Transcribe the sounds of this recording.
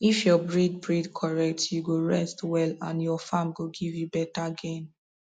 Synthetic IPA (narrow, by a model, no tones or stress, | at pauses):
ifjɔbɹid̚bɹidkʰɔɹɛk̚tjuɡoɹɛ̰stwɛlãnjɔfãmɡoɡivjubɛtaaɡẽn